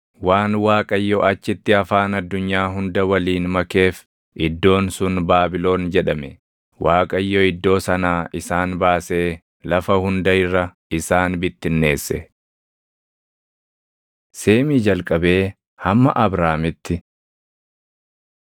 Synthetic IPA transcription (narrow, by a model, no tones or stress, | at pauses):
waːnwaːkʼɐjːɔʔɐt͡ʃːɪt̪ːɪɐfaːnɐd̪ːʊɲːaːɦʊnd̪ɐwɐliːnmɐke̞ːf | ʔɪd̪ːo̞ːnsʊnbaːbɪlo̞ːnd͡ʒɛᶑɐmɛ | waːkʼɐjːɔɪd̪ːo̞ːsɐnaːʔɪsaːnbaːse̞ː | lɐfɐhʊnd̪ɐɪrːɐ | ɪsaːnbɪt̪ːɪnːe̞ːsːɛ | se̞ːmiːd͡ʒɐlkʼɐbe̞ː | hɐmːɐ̰ʔɐbɾaːmɪt̪ːɪ